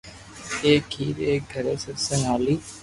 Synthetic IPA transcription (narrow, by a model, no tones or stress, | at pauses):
eːkʰiːɾeːɡʱəɾeːsəɾsənaːliː